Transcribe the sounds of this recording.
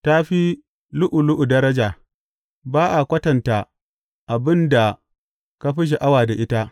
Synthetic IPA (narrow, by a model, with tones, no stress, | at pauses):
ta˦ɸi˦ | lʊ˦ʔʊ˨lʊ˦ʔu˨dɐ˦ɾɐ˦d͡ʒaː˨ | baː˦ʔa˨kʷɐ˦tɐ˨nta˨ | ʔa˨bɪ˦nda˨ | ka˦ɸɪ˦ʃ̬e˨ʔa˦waː˨da˨ʔɪ˦ta˦ʔ